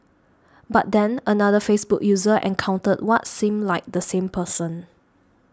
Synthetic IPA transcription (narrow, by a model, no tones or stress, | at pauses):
bat̚dɛ̃nənadəfesbukjuzəʔɛ̰̃nkʰãw̃ntət̚wɔtsĩmlaɪk̚dəsẽmpʰəsə̃n